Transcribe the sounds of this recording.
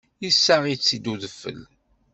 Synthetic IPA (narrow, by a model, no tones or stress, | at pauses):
jisːaʁit͡sːid̪uðəfːə̰l